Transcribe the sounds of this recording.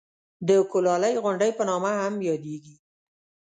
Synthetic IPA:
d̪əkolɑləjɣʊɳɖəjpənɑmahamjɑd̪eɡi

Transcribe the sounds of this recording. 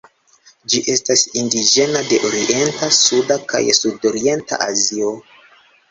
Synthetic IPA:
d͡ʒiʔe̞stasindid͡ʒe̞nade̞ʔoɾiʔe̞ntasudaka̰jsudo̞ɾie̞nta̰ʔazio̞

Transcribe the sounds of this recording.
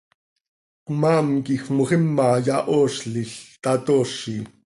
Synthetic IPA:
qmɑːmkixmoχimːɑjɑʔoːʃɬiɬt̪ɑt̪oːʃi

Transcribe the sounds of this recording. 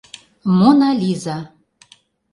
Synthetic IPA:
monalʲiza

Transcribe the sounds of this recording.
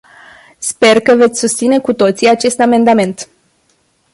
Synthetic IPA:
spe̞rkəve̞t̪sʲsust̪sine̞kut̪o̞t̪siat͡ʃe̞st̪ame̞nd̪ame̞nt̪

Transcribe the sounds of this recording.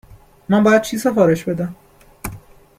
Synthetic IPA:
mænbɒjæd̪̚t͡ʃʰiːsefɒːɾe̞ʃbe̞d̪æm

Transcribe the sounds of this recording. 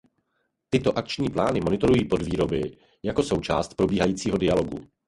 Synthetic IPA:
t̪ɪt̪o̞ʔak̚t͡ʃɲiːplaːnɪmo̞nɪt̪o̞ɾujiːpo̞dviːɾo̞bɪ | jako̞so̞wt͡ʃaːst̪̚pɾo̞biːɦajiːt͡siːɦo̞dɪalo̞ɡṵ

